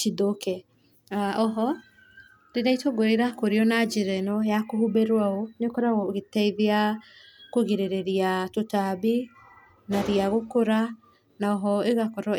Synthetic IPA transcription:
t͡ʃidokɛ | aɔɦɔ | ɾeɾaitwoɡoɾeɾakoɾeɔnad͡ʒeɾɛnɔjakohubeɾwaonekɔɾaɣɔɣetɛiðea | koɣeɾeɾeɾiatotabi | naɾiaɣokoɾa | naɔɦɔeɣakɔɾɔ

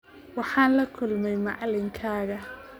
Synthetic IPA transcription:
wɑħɑːnlɐkʰʊlmɛjmɑʕlɪŋkʰaːɣɐ

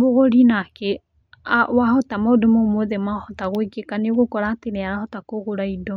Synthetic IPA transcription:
boɣoɾinake | awahɔtamodomomoðɛmahɔtaɣwekekaneoɣokɔɾaːteneaɾahɔtakoɣoɾaidɔ

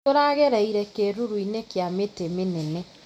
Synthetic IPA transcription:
oɾaɣeɾaiɾɛkeɾuɾuinekjametemenɛnɛ

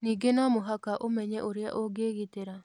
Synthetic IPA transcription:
niːɡenɔmoɦakaʔomɛɲɛʔoɾea̰ʔoɡeːɣiteɾa

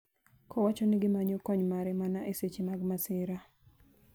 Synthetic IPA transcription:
kʰɔwat͡ʃɔnɪɡɪmaɲɔkɔɲmaɾɛmanaʔeset͡ʃimaɡmasɪɾa

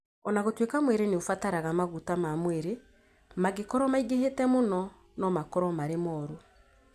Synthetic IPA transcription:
ɔnaɣotwekamweɾeneofataɾaɣamaɣutamamweɾe | maɣekɔɾɔmaiɣeɦetɛmonɔ | nɔmakɔɾɔmaɾemɔːɾo

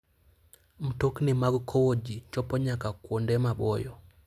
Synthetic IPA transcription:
m̩toknɪmaɡkʰowod͡ʒit͡ʃɔpɔɲakakwondɛmabɔjɔ

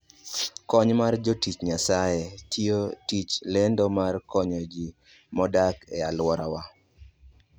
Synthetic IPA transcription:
kɔɲmard͡ʒotit͡ʃɲasajetiotit͡ʃlendɔmarkɔɲɔd͡ʒi | mɔdakɛalwɔɾawa

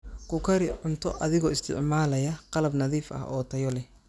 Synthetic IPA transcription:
kʰʊkʰɐɾɪʕʊnt̪ʰɔʔɐðɪɣɔːɪst̪ʰɪ̰ʕmaːlɐjɐqɑlɐbnɐðiːfɐ̰hʔɔ̰ːt̪ʰɐjɔlɛh

